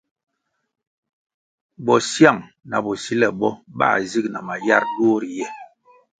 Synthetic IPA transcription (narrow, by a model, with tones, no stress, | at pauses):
bɔ˨sja˦˨ŋ | na̰˨bɔ˨si˦lɛ˨bɔ˦ba̰˦˨zi˦kna̰˨ma˨ja̰˦ɾdo˦ɾi˨jɛ˦˨